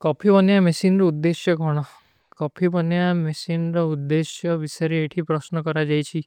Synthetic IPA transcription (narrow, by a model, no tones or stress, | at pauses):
kɔpʰibɔnjamesinɾɔud̪ːesjɔɡʱɔɽ̃ɔ | kɔpʰibɔnjamesinɾɔud̪ːesjɔbisaɾeːʈʰipɾɔsnɔkɔɾad͡ʒajt͡ʃʰi